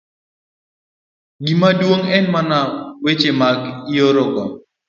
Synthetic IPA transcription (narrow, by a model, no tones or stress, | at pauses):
ɡimadwoŋɛnmanawet͡ʃemaɡioɾɔɡɔ